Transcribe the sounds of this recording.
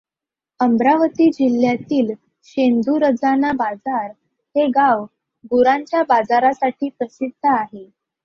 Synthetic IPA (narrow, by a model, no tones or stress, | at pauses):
əmbɾaʋət̪iːd͡ʑil̤jat̪iːl | ɕend̪ʱuɾəd͡zanabad͡zaɾ | heɡaʋ | ɡuɾãɲt͡ɕjabad͡zaɾasaʈʰiːpɾəsid̪ʱːəaɦe